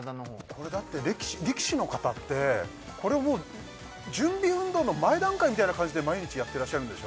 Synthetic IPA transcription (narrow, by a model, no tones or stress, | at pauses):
kʰo̞ɾe̞d̪at̪ːe̞ɾʲekʲi̥ɕiɾʲekʲi̥ɕino̞kat̪at̪ːe̞ | kʰo̞ɾe̞βamoː | d͡ʑɨ̃mbʲiɯ̟̃nd̪o̞ːno̞maed̪ãŋkaimit̪ainakãɲ̟d͡ʑid̪e̞maiɲ̟it͡ɕijat̪ːe̞ɾaɕːaɾɯ̟nd̪eo